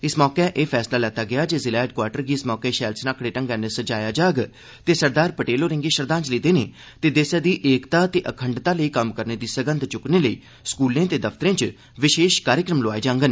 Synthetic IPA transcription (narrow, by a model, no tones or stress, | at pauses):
ɪsmɔːkɛːʔeːpʰɛːslaːlɛːt̪aːɡɪaːd͡ʒeːzɪlaːɪɖ̚kwaːɾʈəɾɡiːɪsmɔːkeːʃɛːlsnaːkɽeːʈə̃ŋɡɛːnesəd͡ʒaːjaːd͡ʒaːɡ | t̪eːsəɾd̪aːɾpəʈeːloːɾɪ̃ŋɡeːʃəɾd̪ãːnt͡ʃləiːd̪eːneː | t̪eːd̪eːsaːd̪iːʔeːkt̪aːt̪eːʔəkʰəɳɖt̪aːləiːkəmkəɾneːd̪iːsəɡə̃nd̪t͡ʃʊkneːləḭː | skuːlẽːt̪eːd̪əpʰt̪əɾẽːt͡ʃ | ʋɪʃeːʃkaːɾjəkɾəmloaːieːd͡ʒãːŋɡən